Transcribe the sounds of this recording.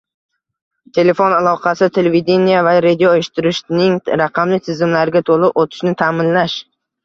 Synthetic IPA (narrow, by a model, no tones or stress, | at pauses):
t̪ʰe̞le̞fonalˠɒqʰɑsɪt̪ʰe̞levid̪e̞nijavaɾed̪ʲijoeʃɪ̥t̪ʰɪɾɪʃnɪŋɾaqʰɑmlɪt̪ʰɪzɪmlaɾɡʲat̪ʰolˠɪpot̪ʰɪ̥ʃnɪt̪ʰaːmɪnlaʃ